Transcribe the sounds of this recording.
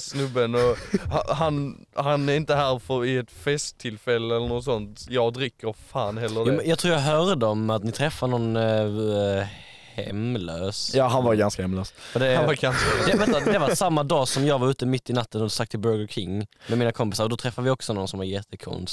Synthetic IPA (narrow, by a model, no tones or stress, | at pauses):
snɵbːənɔhɦanhanæɾɪnt̪əɦæːɾfœɾɪɛt̪fɛst̪ʰːɪlfɛlːəɛlːəɾnɔt̪sɔnt̪jɑːɡd̪ɾɪkːəɾfaːnhɛlːədːmɛnjɑɡt̪ʰɾuːɾjɑɡɦœːɾd̪əɔmat̪nɪt̪ʰɾɛfːanɔn | hɛ̰mløːsjɑːɦanvaɾɡanskahɛmløːsfɔd̪ɛhanaɡʰansɛvɛnt̪ːad̪ɛɛvasamːad̪ɑːsɔmjɑːɡvaɾʉ̟ːt̪əmɪt̪ːɪnat̪ːənɔsakt̪ʰɪlbœːɡəkʰɪŋːmɛmiːnakʰɔmpɪ̥saɾɔd̪ɔt̪ʰɾɛfːaɾvɪɔksɔnɔnsɔmhaɾjɛt̪ʰːəkʰṵnt̪